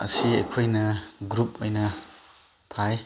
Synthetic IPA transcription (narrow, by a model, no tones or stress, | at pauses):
ɐ̰siɐ̰jkʰojnɐɡɾup̚ojnɐ | pʰaj